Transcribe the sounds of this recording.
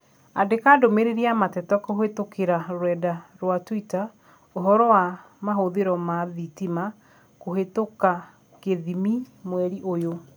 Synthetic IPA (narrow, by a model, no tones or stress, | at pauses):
adekaːdomeɾeɾiamatɛtɔkoɦetokʰeɾaɾwɛdaɾwatwita | oɦɔɾɔwa | maɦoðeɾɔmaðitima | koɦetoka | keðimimwɛɾiʔojo